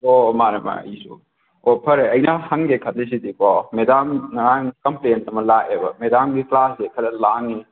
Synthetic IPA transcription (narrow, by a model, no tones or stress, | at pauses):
omaɾɐma̰isṵ | opʰɐɾeɐjnahɐŋɡekʰɐt̚les̬idikɔmedamnɐɾaŋkɐmplentɐmɐlaʔebɐ̰medamɡiklasekʰɐtɐlaŋi